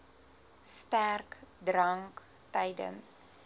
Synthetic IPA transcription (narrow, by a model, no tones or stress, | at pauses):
stærkdrɐŋk | tɐjdə̰ns